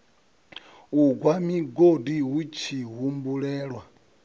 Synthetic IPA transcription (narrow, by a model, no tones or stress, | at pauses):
uɡwamiɡodiɦut͡ʃʰiɦumbuɺɛːɺwa